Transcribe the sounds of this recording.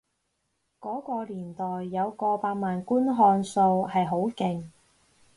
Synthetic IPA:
kɔː˨˥kɔː˧liː˨˩nt̪ɔː˨jːɐ˨˧wkɔː˧paː˧k̚maː˨nkuː˥nɦɔː˧nso˧whɐ˨jɦo˨˥wkɪ˨ŋ

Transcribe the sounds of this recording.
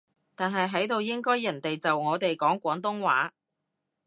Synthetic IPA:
t̪aː˨nɦɐ˨jɦɐ˨˥jt̪o˨wjɪ˥ŋkɔː˥jːɐ˨˩nt̪e˨jt͡sɐ˨wŋɔː˨˧t̪e˨jkɔː˨˥ŋkʷɔː˨˥ŋt̪̬ʊ˥ŋwaː˨˥

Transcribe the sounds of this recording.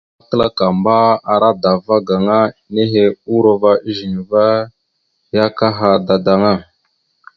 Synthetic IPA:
a˦kə˦la˦ka˨mba˦a˨ɾa˦da˨va˦ɡa˨ŋa˦ne˦ɦe˦u˦ɾo˨va˦ʔi˦ʒi˨n˨va˦ | ja˦ka˦ɦa˨da˨da˨ŋa˦˨

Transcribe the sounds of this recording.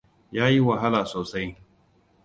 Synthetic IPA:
jaː˦ji˦wɐ˨ɦa˦laː˨soː˨sa˦j

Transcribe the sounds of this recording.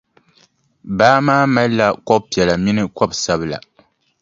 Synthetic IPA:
baː˦maː˦ma˦lla˦kɔ˦b̚pi˨ɛ˨la˨mi˦nɨ˦kɔ˦bsa˦bɨ˦la̰˨

